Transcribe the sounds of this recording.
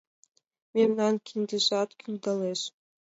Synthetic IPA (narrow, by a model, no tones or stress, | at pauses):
mʲemnɑnkʲʰinʲd̪ʲeʒɑt̪kʲʰylʲd̪ɑleʃ